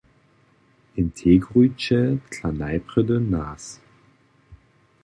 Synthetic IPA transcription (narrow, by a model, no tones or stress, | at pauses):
ʔɪntʰeːɡʁyt͡ʃəkʰlanaɪpʁ̥ʏdənaːs